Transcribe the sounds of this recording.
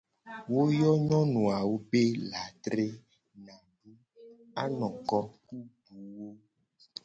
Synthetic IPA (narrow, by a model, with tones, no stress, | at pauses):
wo˦jɔ˦ɲɔ̃˦nũ˨a˨wo˦be˦la˨t̪ɾe˦ | nã˨ɖu˦ | a˦nɔ̃˨kɔ˦ku˦ɖu˨wo˦